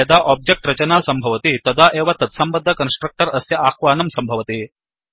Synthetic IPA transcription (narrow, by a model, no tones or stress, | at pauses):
ɐd̪aːʔaːb̚d͡ʒek̚ʈɾɐt͡ʃɐnaːsɐmbʱɐʋɐt̪it̪ɐd̪aːʔeːʋat̪ɐt̪sɐmbɐd̪ʱːɐkɐnsʈɾɐk̚ʈɐɾɐsjɐʔaːxʋaːnɐmsɐmbʱɐʋɐt̪i